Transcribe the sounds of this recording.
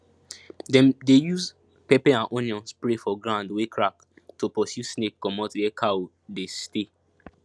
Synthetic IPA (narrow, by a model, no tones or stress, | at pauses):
dɛ̃mdejuz | pɛpɛãnʔɔ̃niɔ̃nspɹefɔɡɹãndwekʰɹak | topɔsjusnekkɔmɔtwɛkʰao | deste